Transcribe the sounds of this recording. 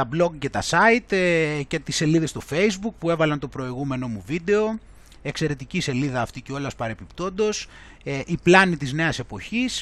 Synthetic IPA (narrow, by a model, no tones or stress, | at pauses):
t̪ɐblo̞ɡce̞t̪ɐsɐit̪ce̞t̪isːe̞liðe̞st̪o̞fe̞jzbuk̚pue̞vɐlɐnt̪o̞pɾo̞iɣume̞no̞muvid̪e̞o̞ | e̞kse̞ɾe̞t̪icise̞liðɐːft̪iceo̞lɐspɐɾe̞pipt̪o̞nd̪o̞s | ʔiplɐnit̪izne̞ɐse̞po̞çis